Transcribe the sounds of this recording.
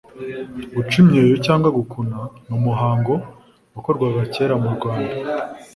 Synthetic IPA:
ɡut͡ʃumɲeːjocaːŋɡwaɡukʰunanumuɦaːŋɡo̞ | ako̞ɾɡwaɡace̞ːɾamuɾɡwaːnda

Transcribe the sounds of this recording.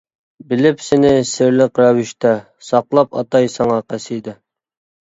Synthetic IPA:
bɪlɪpsɪnɪsɪɾlɪqɾɑwɪʃt̪ɛ | sɑqlˠɑpɑ̰t̪ɑjsɑŋɑqʰæsijd̪ɪ

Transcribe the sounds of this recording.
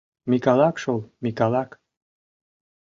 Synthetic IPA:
mikɑlɑkʃolˠmikɑlɑk

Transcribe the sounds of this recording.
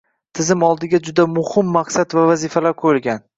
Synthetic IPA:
t̪ʰɪzɪmɒlˠd̪ɪɡʲad͡ʒʊd̪amʊhɪmːaqsad̪vavazɪfalaɾkʰɵɾlɡʲan

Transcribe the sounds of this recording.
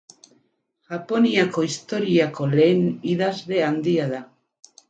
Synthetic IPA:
ʝ̥apo̞niako̞ist̪o̞ɾiako̞leːniðazðe̞and̪iaða

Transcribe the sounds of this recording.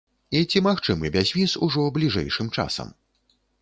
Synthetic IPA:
it͡sʲimaxt͡ʂɨmɨbʲazʲvʲisuʐɔblʲiʐɛ̰jʂɨmt͡ʂa̰sɐ̰m

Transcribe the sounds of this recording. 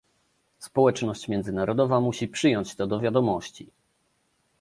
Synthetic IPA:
spɔwɛt͡ʂnɔɕt͡ɕmʲjɛnd̪zɘnaɾɔd̪ɔvamuɕipʂɘjɔɲt͡ɕt̪ɔd̪ɔvʲjad̪ɔmɔɕt͡ɕi

